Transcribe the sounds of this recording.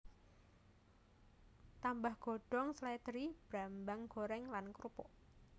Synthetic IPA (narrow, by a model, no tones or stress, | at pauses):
t̪ambahɡ̥o̤ɖ̥ɔŋslɛt̪ɾib̥ɾambaŋɡ̥oɾɛŋlankɾupɔʔ